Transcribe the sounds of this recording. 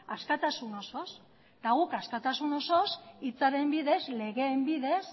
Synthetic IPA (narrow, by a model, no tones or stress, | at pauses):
askat̪asuno̞so̞s | t̪aɣ̞ukaskat̪asuno̞so̞sit͡saɾe̞mbiðe̞zle̞ɣe̞ːmbiðe̞s